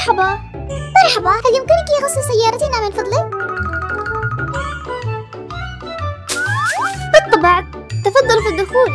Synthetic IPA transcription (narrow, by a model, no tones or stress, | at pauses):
ħɑbɑ | mɑɾˤħɑbɑhaljɪmkɪnkjɣɑsˤːɪsajːɑːɾˤɑt̪iʔnaːmɪnfɑd̪ˤli | bɨt̪ˤːɑbɪʕd̪̚ | t̪ːɑfɑd̪ˤːɑlfid̪ːʊxuːl